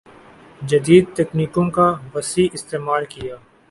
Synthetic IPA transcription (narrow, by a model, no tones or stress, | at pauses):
d͡ʒɐd̪iːd̪̚t̪ɛːkniːkõkaʋɐsiːʔɪst̪eːmaːlkijaː